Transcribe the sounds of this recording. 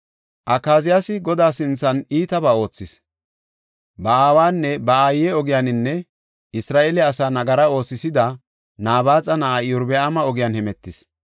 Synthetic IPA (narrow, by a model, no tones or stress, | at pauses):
ʔɐkːaːzɪjasɪɡɔd̪aːsɪnt͡sːɐniːt̪ɐbaːo̞ːt͡sːɪs | bɐaːwaːnːɛbɐaːjɛɔɡɪjanɪnːɛ | ɪsɾaːʔeːlɛɐsaːnɐɡɐɾɐo̞ːsːɪsɪd̪ɐ | naːbaːt͡sʼɐnɐʔajʊɾbɛamɐɔɡɪjanhɛmɛt̪ːɪs